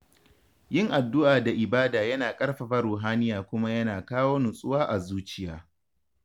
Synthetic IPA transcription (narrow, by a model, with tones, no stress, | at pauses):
jɪ˦ŋʔa˨dːʊ˦ʔaː˨da˨ʔɪ˨baː˦daː˨jɐ˦naː˨kʼɐ˦rɸɐ˨ɸa˦ɾuː˨ɦaː˦nɪ˦jaː˨kʷʊ˦ma˦jɐ˦naː˨kaː˦woː˦nʊ˨sʼʊ˦waː˦ʔa˨zuː˦t͡ʃɪ˦jaː˦